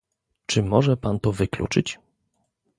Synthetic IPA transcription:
t͡ʂɘmɔʐɛpant̪ɔvɘklṵt͡ʂɘt͡ɕ

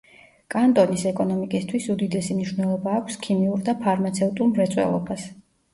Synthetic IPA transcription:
kʼant̪ʼɔnisɛkʼɔnɔmikʼist̪ʰwisud̪id̪ɛsimniʃwnɛlˠɔbaːkʷʰskʰimiuɾd̪apʰaɾmat̪sʰɛut̪ʼulˠmɾɛt̪sʼwɛ̰lˠɔ̰bas

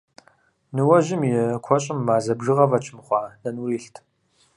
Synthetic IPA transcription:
nɨwɐʑɪmjɛkʷʰɔɕʼɪmːaːzɐbʒɪʁɐvɐt͡ʃʰɪmχʷɑːnɐnuriːɬtʰ

